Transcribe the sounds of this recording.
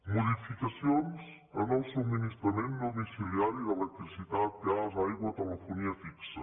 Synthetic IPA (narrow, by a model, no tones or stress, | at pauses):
muðifikɐsjonz | ɐ̰nɔ̃wsuminiʃt̪ɾɐmẽnt̪d̪umisiliaɾjuðelˠɛk̚t̪ɾisit̪aðkazaiɣwɐt̪əlˠəfuniɐfiksɐ